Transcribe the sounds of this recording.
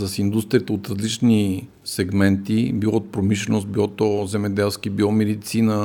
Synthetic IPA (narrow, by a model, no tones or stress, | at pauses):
sɐsind̪ust̪ɾiət̪ɛot̪ɾɐzlit͡ʃni | sɛɡmɛnt̪ibilɔt̪pɾomiʃlɛnost̪̚biɔt̪ozɛmɛd̪ɛlˠskibiɔmɛd̪it̪sinə